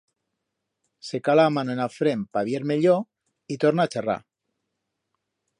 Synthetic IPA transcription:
se̞kalaːmanoenafɾe̞mpaβjeɾme̞ʎo | it̪oɾnaːt͡ʃera̰

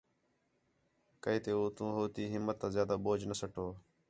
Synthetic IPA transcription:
kəiːt̪eːoːt̪ũːɦoːt̪iːɦɪmːət̪ːãːzjaːd̪aːɓoːd͡ʒnəsəʈʰoː

